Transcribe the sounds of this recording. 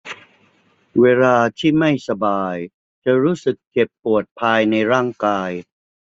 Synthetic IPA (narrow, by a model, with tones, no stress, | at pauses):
weː˧laː˧t̪ʰiː˥˩ma˥˩jsa˧baː˧j | t͡ɕa˨˩ɾuː˦˥sɯ˨˩k̚ːe˨˩pːu˨˩ət̪̚pʰaː˧jna˧jɾaː˥˩ŋkaː˧j